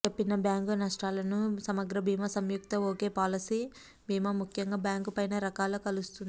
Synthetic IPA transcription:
epːinɐbjaːŋkunɐʂʈaːlɐnusɐmɐɡɾɐbʱiːmɐsɐmjuk̚t̪ɐoːkeːpaːlɐsiː | bʱiːmaːmukʰjɐŋɡaːbjaːŋkupɐjnɐɾɐkaːlɐːkɐlust̪und̪i

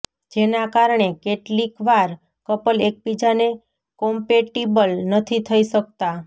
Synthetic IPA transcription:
d͡ʒenakaɾɳ̃ekeʈlikʋaɾ | kəpəlek̚pid͡ʒane | kɔmpeʈibəlnət̪ʰit̪ʰəiʃək̚t̪a

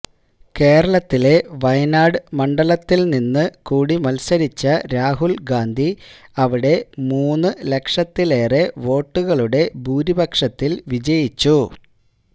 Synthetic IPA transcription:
ke̞ːɾɐɭɐt̪ːile̞ʋɐjɐnaːɽɨmɐɳɖɐɭɐt̪ːilninːɨkuːɽimɐlsɐɾit͡ɕːɐɾaːɦulɡaːnd̪ʱiɐʋiɽe̞muːnːɨle̞kʂɐt̪ːile̞ːre̞ʋo̞ːʈːuɣɐɭuɽe̞bʱuːɾibɐkʂɐt̪ːilʋid͡ʑɐjit͡ɕːu

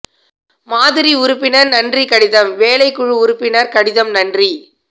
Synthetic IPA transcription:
maːðɪɾiʊɾɯpːɪnɐɾnɐndrikɐɽɪðɐmʋeːlɐɪkːʊɻɯʊɾɯpːɪnɐɾkɐɽɪðɐmnɐndri

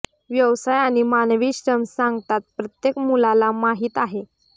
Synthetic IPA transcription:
ʋjəʋsajaɽ̃imanʋiːɕɾəmsãŋɡt̪at̪̚pɾət̪jekmulalamaɦiːt̪aɦe

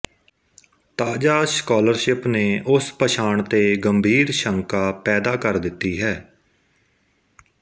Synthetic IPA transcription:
t̪aːd͡ʒaːskaːləɾʃɪpneːʔʊspəʃʰaːɳt̪eːɡəmbʱiːɾʃəŋkaːpɛːd̪aːkəɾd̪ɪt̪ːiːɦɛː

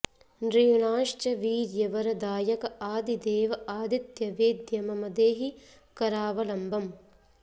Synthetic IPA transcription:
nɾijuɳaːʂt͡ʃɐʋiːɾjɐʋɐɾɐd̪aːjɐkɐaːd̪id̪eːʋɐʔaːd̪it̪jɐʋeːd̪jɐmɐmɐd̪eːɦi | kɐɾaːʋɐlɐmbʱɐm

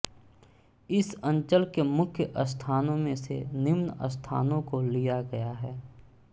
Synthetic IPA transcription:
ɪsə̃ɲt͡ʃəlkemʊkʰjəʔəst̪ʰaːnõmẽsḛnɪmnə̰st̪ʰa̰ːnõkolijaɡɐjaɦɛː

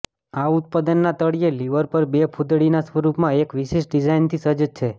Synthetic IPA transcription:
aʊt̪̚pad̪ənːat̪əɽieliʋəɾpəɾbepʰud̪ɽinasʋəɾupmãekʋiʃeʃɖid͡ʒajnt̪ʰisəd͡ʒt͡ʃʰe

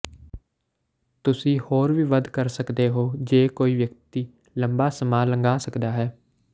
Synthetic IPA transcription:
t̪ʊsĩːhoːɾʋiːʋəd̪kəɾsəkd̪eːɦoːd͡ʒeːkoːiːʋjəkt̪iː | ləmbaːsəmaːləŋɡaːsəkd̪aːɦɛː

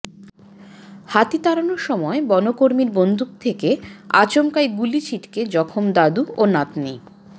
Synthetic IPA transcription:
hat̪it̪aɾanoɾʃɔmɔebɔnokoɾmiɾbond̪ʱuk̚t̪ʰekea̰t͡ɕomkajɡulit͡ɕʰiʈked͡ʑɔkʰomd̪ad̪uonat̪ni

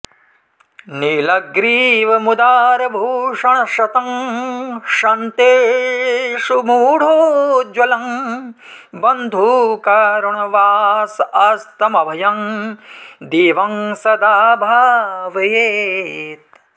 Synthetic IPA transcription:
nilɐɡɾiːʋɐmud̪aːɾɐbʱuːʂɐɳɐʃɐt̪ɐm | ʃɐnt̪eː | ʂumuːɽ̤oːd͡ʒwɐlɐm | bɐnd̪ʱuːkaɾɐɳɐʋaːsɐst̪ɐmɐbʱɐjɐm | d̪iːʋɐŋsɐd̪aːbʱaːʋɐjeːt̪

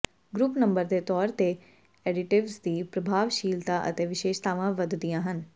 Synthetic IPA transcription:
ɡɾuːpnəmbəɾd̪eːt̪ɔːɾt̪e | ɛːɖɪʈɪʋsd̪iːpɾəbʱaːʋʃiːlt̪ãːʔə̰t̪eːʋɪʃeːʃt̪aːʋãːʋəd̪d̪ijãːɦən

